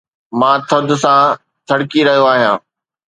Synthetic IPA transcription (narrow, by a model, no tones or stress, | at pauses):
mãːt̪ʰɐd̪ʱʊ̆sã | t̪ʰɐɽkiɾɐɦijoaːɦijã̰ː